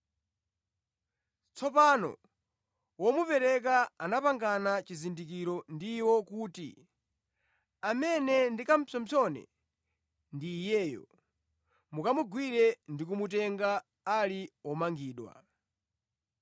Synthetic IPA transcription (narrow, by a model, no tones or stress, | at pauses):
t͡sɔpanɔ̰ | wɔmupɛɾɛkaanapaŋɡanat͡ʃizindik̬iɾɔndiwɔkuːtḭ | amɛnɛndikam̩pʰɔm̩t͡ʃʰɔnɛ̰ | ndiːjɛːjɔ̰ | mukamuɡwiɾɛndikumutɛŋɡaː | liɔmaŋɡiːɗwa̰